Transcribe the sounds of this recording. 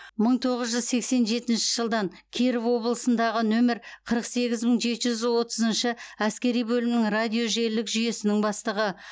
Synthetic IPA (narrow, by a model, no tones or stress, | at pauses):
məɴt̪ʰo̞ʁəzʒʏzse̞kse̞nʒe̞t̪ɪnʃɪʒəlˠd̪ɑɴkʲʰeɾɪvwo̞bəlˠəsənd̪ɑʁənɵmeɾqʰəɾəqse̞ɡʲɪzməɴʒe̞t̪ʒʏzwo̞t̪əzənʃəæskʲe̞ɾijbɵlɪmnɪŋrad̪ʲijo̞ʒe̞lɪkʒʏje̞sɪnɪŋbɑst̪əʁə